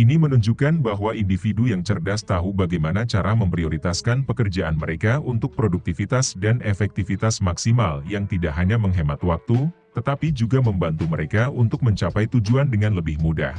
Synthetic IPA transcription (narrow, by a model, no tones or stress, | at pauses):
ʔinimənuɲd͡ʒukanbaɦwaʔindifidujaŋt͡ʃərdast̪aɦubaɡajmanat͡ʃaɾaməmpɾioɾit̪askanpəkərd͡ʒaʔanməɾekaunt̪ʊk̚pɾoduk̚t̪ifit̪asdanefɛk̚t̪ifit̪asmaksimaljaŋt̪idaʔɦaɲaməŋɦemat̪wak̚t̪u | t̪ət̪apid͡ʒuɡaməmbant̪uməɾekaunt̪ʊk̚məɲt͡ʃapajt̪ud͡ʒuandəŋanləbɪhmuda̰h